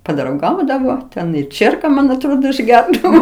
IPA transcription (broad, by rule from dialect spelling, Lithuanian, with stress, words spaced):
pɐdrɐʊˈɡɐʊdɐʋoː ˈtʲɛn ɪ ˈt͡ʃʲiɛrkɐ ˈmɐn ɐtˈroːdoː ɪʒʲˈɡʲɛrdɐʋoː